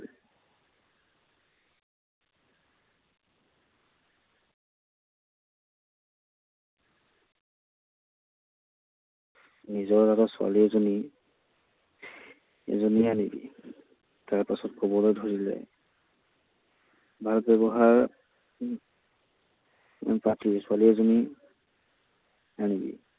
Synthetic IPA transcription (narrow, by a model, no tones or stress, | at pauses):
nizɔɹtatasʊa̰liɛzoni | zonianibḭ | taɹpasɔtkɔbɔlojdʱoɹilɛ̰ | bʱalbɛβɔɦaɹ | patisʊaliɛzoni | anibḭ